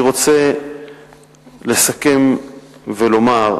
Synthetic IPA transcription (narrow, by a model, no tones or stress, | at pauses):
ʁo̞t͡se | le̞sake̞mvelo̞maʁ